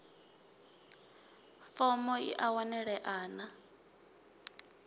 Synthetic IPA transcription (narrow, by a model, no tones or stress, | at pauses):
fɔmɔḭʔawanɛɺɛʔaːna